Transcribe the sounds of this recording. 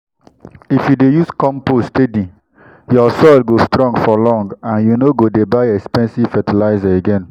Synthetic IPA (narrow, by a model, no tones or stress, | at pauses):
ifjudejuskɔ̃mpostedĩ | jɔsɔlɡostɾɔ̃ŋɡfɔlɔ̃ŋɡãnjunoɡodebaɪɛkspɛ̃nsivfɛtilaɪzaeɡɛ̃n